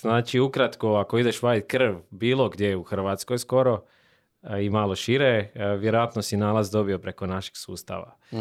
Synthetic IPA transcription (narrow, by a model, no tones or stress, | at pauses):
znaːt͡ʃiukɾat̪koako̞id̪e̞ʃʋajkr̩ʋbiːlˠoɡd̪je̞jeuxr̩ʋat̪skojsko̞ɾo̞ | imaːlo̞ʃiɾeʋjeɾojat̪nosinaːlazd̪o̞bio̞pɾe̞ko̞naʃe̥ɡ̥sṵːst̪a̰ʋa̰